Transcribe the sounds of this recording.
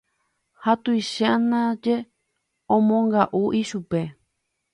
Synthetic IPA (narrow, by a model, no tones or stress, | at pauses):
hat̪ujʃanãd͡ʒe | õmõŋɡaʔuʔiʃupe̞